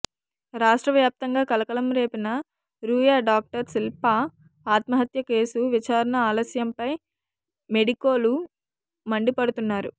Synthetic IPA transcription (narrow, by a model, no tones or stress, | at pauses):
ɾaːʂʈɾɐʋjaːp̚t̪ɐŋɡaːkɐlɐkɐɭɐmɾe̞ːpinɐ | ɾuːjaːɖaːk̚ʈɐɾsilpa | aːt̪mɐɦɐt̪jɐke̞ːsuʋit͡ʃaːɾɐɳɐaːlɐsjɐmpɐj | me̞ɽikoːlu | mɐɳɖipɐɽut̪unːaːɾu